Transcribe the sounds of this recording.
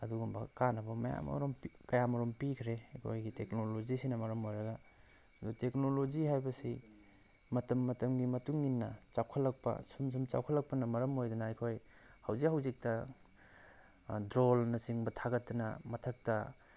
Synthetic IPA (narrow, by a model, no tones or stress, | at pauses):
ɐduɡumbɐkanɐbɐmɐja̰mɐ̰ɾomkɐjamɐɾompikʰɾejkʰojɡiteknolozisinɐmɐɾɐmojɾɐɡɐ | ɐdutek̚nolod͡ʒiɦajbɐsi | mɐtɐmːɐtɐmɡimɐtuŋinːɐt͡ʃawkʰɐlːɐk̚pɐ̰sums̬umt͡ʃa̰wkʰɐlɐk̚pɐnɐmɐɾɐmojdɐnɐːjkʰoj | hɐwzikhɐwzik̚tɐ | dɾolnɐsiŋbɐtʰaɡɐtːɐnɐ̰mɐtʰɐk̚tɐ